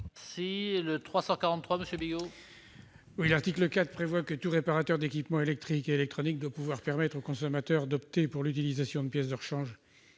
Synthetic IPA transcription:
silət̪χwasɑ̃kaʁɑ̃t̪ːχwaməsjøbiɡo | wilaʁt̪ikləkat̪χpχevwakət̪uʁepaʁat̪œʁd̪ekʲipmɑ̃elɛk̚t̪χikeːlɛk̚t̪χɔnik̚d̪wapuvwaʁpɛʁmɛt̪χokɔ̃sɔmat̪œʁd̪ɔp̚t̪epuʁlyt̪̬ilizasjɔ̃d̪əpjɛsd̪əʁʃɑ̃ʒ

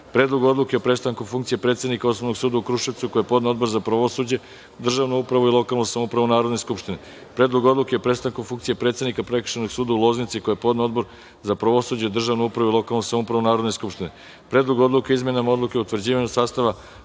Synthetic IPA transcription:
pɾe̞ːd̪lˠoɡuo̞d̪lˠukeopɾe̞tst̪aŋkufuŋkt̪sijepɾe̞t̪senikao̞snoʋno̞ɡsuːd̪aukɾuʃeʋt̪sukojepo̞d̪neo̞d̪bo̞ɾzapɾaʋosud͡ʑe̞ | d̪r̩ʒaʋnoupɾaʋuilˠo̞kalˠnosamoupɾaʋunaːɾod̪ne̞skupʃt̪ine | pɾe̞ːd̪lˠoɡo̞d̪lˠukeopɾe̞tst̪aŋkufuŋkt̪sije̞pɾet̪sed̪nikapɾekr̥ʃenoɡsuːd̪aulˠo̞znit̪sikojepo̞d̪neo̞d̪bo̞ɾ | zapɾaʋo̞sud͡ʑeid̪r̩ʒaʋnoupɾaʋuilˠo̞kalˠnosamoupɾaʋunaːɾod̪ne̞skupʃt̪ine | pɾed̪lˠoɡo̞d̪lukeizmenamao̞d̪lˠukeout̪ʋrd͡ʑiːʋaɲusaːst̪aʋa

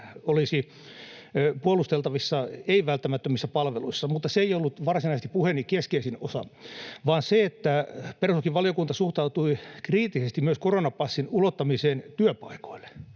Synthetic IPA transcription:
olisi | puolust̪elt̪ɑʋisːɑeiʋælt̪ːæmæt̪ːømisːæpɑlʋeluisːɑmut̪ːɑseeijolːut̪ʋɑrsinɑist̪i̥puhenːikeskeisinosɑ̰ʋɑːnseet̪ːæpersokiʋʋɑlijokunt̪ɑsuht̪ɑut̪uikriːt̪ːisest̪imyøskoronɑpɑsːinulot̪ːɑmiseːnt̪yøpɑiko̥il̥ːe̥

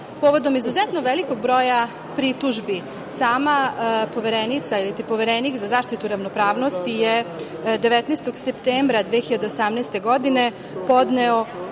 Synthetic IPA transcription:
po̞ʋo̞d̪o̞mizuzɛt̪noʋelikoɡ̚bɾo̞ːja | pɾit̪uʒbi | saːmapo̞ʋeɾenit̪sailit̪ipo̞ʋeɾenikzazaːʃt̪it̪uɾaʋnopɾaːʋno̞st̪ije | d̪e̞ʋet̪nest̪o̞ɡsept̪eːmbɾad̪ʋeːxiʎad̪eosamnɛst̪e̞ɡo̞d̪ine̞ | po̞d̪neo

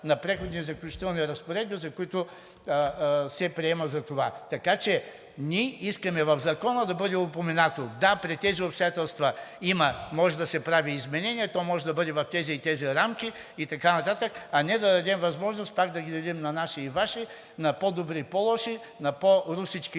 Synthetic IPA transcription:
nɐpɾɛxod̪nizɐklʲʊt͡ʃi̥t̪ɛlˠniɾɐspoɾɛd̪bizɐkʊit̪ʊ | sɛpɾiɛmɐzɐt̪ovat̪ɐkat͡ʃɛ | nʲiɛiskɐmɛvɐvzɐkɔnəd̪ɐbɤd̪ɛopomɛnat̪od̪apɾit̪ɛziʊpst̪ojat̪ɛlˠst̪vɐimɐmɔʒɛd̪ɐsɛpɾaviːzmɛnɛnʲiɛt̪ɔmɔʒɛd̪ɐbɤd̪ɛvɐft̪ɛzit̪ɛziɾamkʲiː | t̪ɐkanɐt̪at̪əkɐnɛd̪ɐd̪ɐd̪ɛmvɐzmɔʒnʊst̪pakd̪ɐɡid̪ɐd̪ɛmnɐnaʃiːvaʃi | nɐpɔd̪obɾipɔlˠɔʃi | nɐpoɾusit͡ʃki

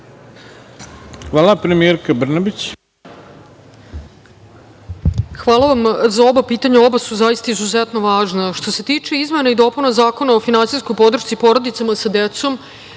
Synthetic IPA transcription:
xʋaːlˠapɾemijeɾkabr̩nabit͡ɕ | xʋaːlˠaʋamzao̞bapiːt̪aɲao̞basuzajist̪aizuzet̪no̞ʋaːʒnaʃt̪o̞se̞t̪iːt͡ʂe̞izme̞naid̪o̞punazaːko̞naofinansisko̞jpo̞d̪ɾr̩ʃt̪sipo̞ɾod̪it̪samasad̪et̪so̞m

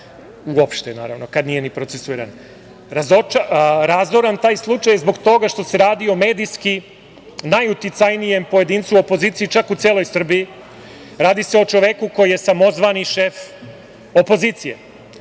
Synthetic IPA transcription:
uopʃt̪enaːɾaʋno̞kad̪nije̞nipɾot̪esuiːɾa̰n | ɾazot͡ʃaɾazoɾant̪aːjslˠut͡ʃajzbo̞ɡt̪o̞ɡaʃt̪o̞se̞ɾaːd̪io̞me̞ːd̪ijski | najut̪it̪sajnije̞mpoje̞d̪iːnt̪suopo̞ziːt̪siit͡ʃakut̪seːlˠo̞jsr̩bii | ɾaːd̪iseo̞t͡ʃo̞ʋe̞kuko̞jije̞samo̞zʋaniʃe̞f | o̞po̞ziːt̪sijḛ

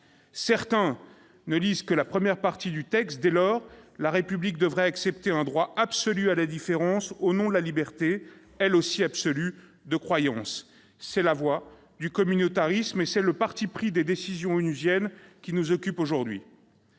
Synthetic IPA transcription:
sɛʁt̪ɛ̃ | nəlizkəlapχəmjɛʁpaʁt̪id̪yt̪ɛkst̪̚d̪ɛlɔːʁlaʁepyblik̚d̪əvʁɛaksɛp̚t̪eɛ̃d̪ʁwaabsɔlyalad̪ifeʁɑ̃sonɔ̃d̪əlalibɛʁt̪e | ɛlosiabsɔly | d̪əkχwajɑ̃sː | ɛlavwa | d̪ykɔmynot̪aʁismesɛləpaʁt̪ipχid̪ed̪esizjɔ̃ynyzjɛnkʲinuzɔkʲypoʒuʁd̪ɥḭ

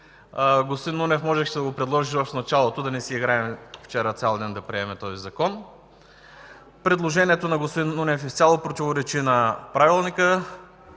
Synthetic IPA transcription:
ɡospod̪inːunɛfmɔʒɛxʃɛd̪ɐɡopɾɛd̪lˠɔʒiʃvɐfnɐt͡ʃalˠot̪od̪ɐnɛsiiɡɾaɛmft͡ʃɛɾət̪ʲalˠd̪ɛnd̪ɐpɾiɛmɛt̪ɔzizɐkɔn | pɾɛd̪lˠoʒɛniɛt̪onɐɡospod̪inːunɛfisʲjalˠopɾot̪ivoɾɛt͡ʃinɐpɾavilˠnikə

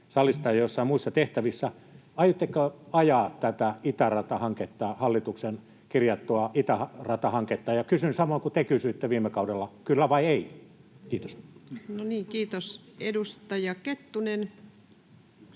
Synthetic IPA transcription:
sɑlist̪ɑjɑjosːɑimuisːɑt̪eht̪æʋisːæ | ɑijot̪ːekːøɑjɑːtt̪æt̪æit̪ærɑt̪ɑhɑŋket̪ːɑːhɑlːit̪uksen | kirjɑt̪ːuɑʔit̪æhɑrɑt̪ɑhɑŋket̪ːɑːjɑkysynsɑmoiŋkut̪ekysyit̪ːeʋiːmːˑekɑudelːɑkylːæʋɑieikiːt̪o̥snoniːŋkiːt̪os | edust̪ɑjɑket̪ːunen

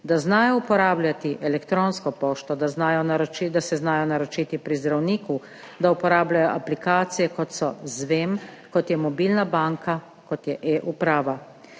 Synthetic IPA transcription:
d̪aznaːjɔupɔɾaːblʲjat̪iʔɛlɛkt̪ɾoːnskɔpoːʃt̪ɔd̪aznaːjɔnaɾɔt͡ʃid̪asɛznaːjɔnaɾɔt͡ʃiːt̪ipɾizd̪ɾawniːku | d̪aupɔɾaːblajɔʔaplikaːt̪sijɛkɔt̪sɔ̰zʋeːmkɔt̪jɛmɔbiːlnabaːŋka | kɔt̪jɛʔeʔupɾaːʋa

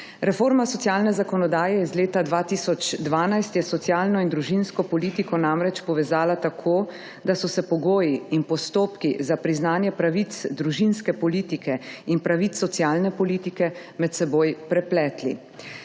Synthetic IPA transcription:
ɾɛfoːɾmasɔt̪sjaːlnɛzakɔnɔd̪aːjɛjɛzleːt̪ad̪ʋaːt̪isɔt͡ʃd̪ʋaːnajst̪jɛsɔt̪sjaːlnɔind̪ɾuʒinskɔpɔliːt̪ikʰɔnamɾɛt͡ʃpɔʋɛzaːlat̪akʰoː | d̪asɔsɛpɔɡoːjiinpɔst̪oːpkizapɾiznaːnjɛpɾaʋit̪sd̪ɾuʒinskɛpɔliːt̪ikɛinpɾaʋit̪ːɔt̪sjaːlnɛpɔliːt̪ikɛmɛt̪sɛboːjpɾɛplɛːt̪lḭ

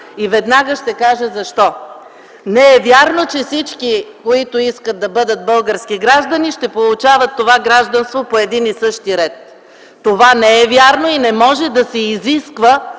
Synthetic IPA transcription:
ivɛd̪naɡəʃt̪ɛkaʒɛzɐʃt̪ɔ | nɛɛvʲjaɾnot͡ʃɛfsit͡ʃkikoit̪ʊiskət̪̚ːɐbɤd̪ət̪̚bɤlˠɡəɾsk̟iɡɾaʒd̪ɐniʃt̪ɛpolˠʊt͡ʃavɐt̪ːovaɡɾaʒd̪ɐnst̪vopoɛd̪inisɤʃt̪iɾɛt̪ː | ovanɛɛvʲjaɾnoinɛmɔʒɛd̪ɐsɛiziskvə

